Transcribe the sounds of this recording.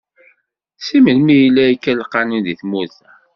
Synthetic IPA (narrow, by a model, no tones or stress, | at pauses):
siməlmijilːæikːælqːɑnunðiθmuθæ